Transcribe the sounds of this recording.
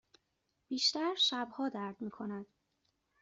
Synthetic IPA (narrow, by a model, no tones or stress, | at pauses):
b̥iːʃt̪æɾʃæbhɒːd̪æɾd̪miːkʰo̞næd̪̥